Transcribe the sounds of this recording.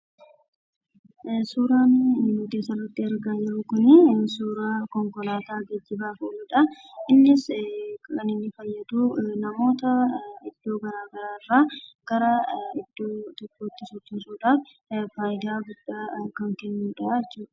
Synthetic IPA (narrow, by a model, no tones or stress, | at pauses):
suːɾaːnmud̪eːsɐlːɐt̪ːɪɐɾɡaːjɪɾʊkʊnɪsuːɾaːkɔŋkɔlaːt̪aːɡɐd͡ʒːɪbaːfolʊᶑɐ | ʔɪnːɪs | ɐnɪnːɪfɐjːɐd̪uːnɐmo̞ːt̪ɐɪd̪̥ːo̞ːɡɐɾaːɡɐɾaːɪrːaːɡ̥ɐɾaːɪd̪̥ːoːt̪ɔkːoːt̪ːɪsʊt̪ːɪnsuːᶑaːf | faːjɪd̪aːɡʊd̥ːaːkɐŋkɛnːuːᶑɐʔajɛt͡ʃːuːᶑɐ̥